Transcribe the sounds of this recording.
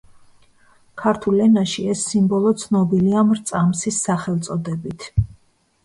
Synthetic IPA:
kʰaɾt̪ʰulɛnaʃiɛsːimbɔlˠɔt̪sʰnɔbiliamɾt̪sʼamsisːaχɛlˠt̪sʼɔd̪ɛbit̪ʰ

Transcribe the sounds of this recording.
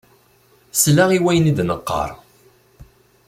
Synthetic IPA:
slaʁiwæjənid̪nəqːɑ̰ɾˤ

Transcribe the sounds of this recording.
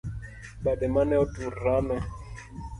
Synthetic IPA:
ɓaɗɛmanɛɔtuɾamɛ

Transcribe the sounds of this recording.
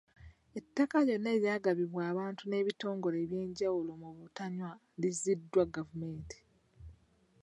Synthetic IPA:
e̞tːakajo̞nːe̞ːɾjaːɡaβiβwaːβaːntune̞ːβito̞ːŋɡo̞le̞ːβje̞ːɲɟawulo̞muβutaɲwa | lizidːwaɡavume̞ːnti̥

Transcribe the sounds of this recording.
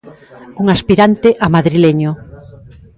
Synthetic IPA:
uŋaspiɾant̪eʔamaðɾileɲo

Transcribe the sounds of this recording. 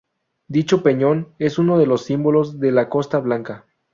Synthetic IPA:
d̪it͡ʃo̞pe̞ɲo̞ne̞suno̞ð̞e̞lo̞sːimbo̞lo̞zðe̞lako̞st̪aβlaŋka

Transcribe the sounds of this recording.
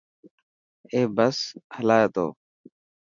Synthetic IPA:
eːbəshəlaːjeːt̪o̰ː

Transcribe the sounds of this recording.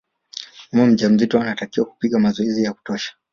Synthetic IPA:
amɔm̩ʄam̩zitɔanatakiwaku̥piɠamazɔizijaku̥tɔʃḁ

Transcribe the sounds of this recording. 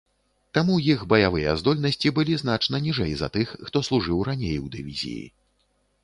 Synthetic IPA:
t̪amujixbɐjavɨjɛzd̪ɔlʲnɐsʲt͡sʲibɨlʲizn̪at͡ʂnɐnʲiʐɛjzɐ̰t̪ɨxːt̪ɔslˠuʐɨwɾanʲejwd̪ɨvʲḭzʲḭjḭ

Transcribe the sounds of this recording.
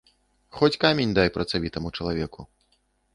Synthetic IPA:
xɔt͡sʲkamʲenʲd̪ajpɾɐt̪savʲit̪ɐmut͡ʂɐlˠavʲɛku

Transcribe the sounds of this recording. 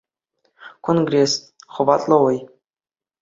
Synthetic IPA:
kʰonɡrʲes | χŏbɑt̪ʼlˠɤwɤj

